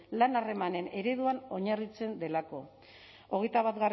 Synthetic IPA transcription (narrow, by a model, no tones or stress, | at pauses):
lanare̞mane̞ne̞ɾe̞ðuano̞ɲarit͡se̞nd̪e̞lako̞ | o̞ɣ̞e̞jt̪aβat̪ɡar